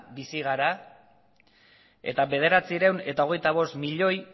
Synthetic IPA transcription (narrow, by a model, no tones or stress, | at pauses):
bisiɣ̞aɾa | e̞̰t̪aβe̞ð̞e̞ɾat͡siɾewne̞t̪ao̞ɣ̞e̞jt̪aβ̞o̞st̪miʎo̞j